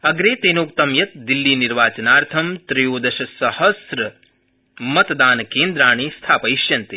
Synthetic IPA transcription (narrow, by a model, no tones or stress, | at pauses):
ɐɡɾeːt̪eːnoːk̚t̪ɐmjɐt̪̚d̪ilːiːniɾʋaːt͡ʃɐnaːɾt̪ʰɐmt̪ɾijoːd̪ɐʃɐsɐhɐsɾɐ | mɐt̪d̪aːnkeːnd̪ɾaːɳ̃iːst̪ʰaːpɐjʃjɐnt̪e